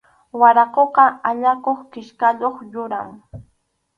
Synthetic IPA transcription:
waɾɑqoqɑaʎakoχkɪʃkaʎoχʎʊɾa̰ŋ

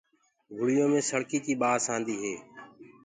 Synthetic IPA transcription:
ɡʱʊɽɪjõːmẽːsəɽkiːkiːɓaːsãːnd̪iːɦeː

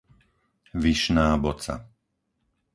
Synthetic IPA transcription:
ʋiʃnaːbɔt͡sa̰

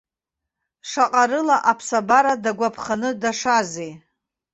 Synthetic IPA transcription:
ʂaqʼaɾɨlaʔapʰsabaɾadaɡʷapʰχanɨdaʂaze

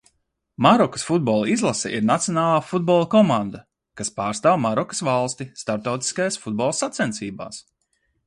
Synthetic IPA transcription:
maɾɔkə̥sfud̪̚bɔlˠizlˠasɛ̰ʔiɾnat̪sjɔnaːlˠaːfud̪̚bɔlˠkɔmãnd̪a | kaspaːɾst̪aːwmaɾɔkə̥svalˠst̪ist̪aɾt̪awt̪i̥skajasfud̪̚bɔlˠsat̪sɛnt̪siːba̰ːs

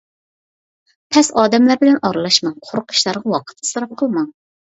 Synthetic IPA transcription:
pʰɛsɑːd̪ɛmlæɾbɪlɛnʔɑɾlˠɑʃmɑŋqʰoɾqʰə̥ʃlˠɑɾʁɑwɑqʰə̥t̪ʰɨ̥sɨɾɑp̚qʰəlˠmɑŋ

